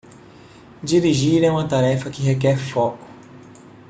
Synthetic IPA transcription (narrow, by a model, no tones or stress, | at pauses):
d͡ʒiɾiʒiɾɛũmɐt̪aɾɛfɐkɪɦekɛɾfɔkʊ̥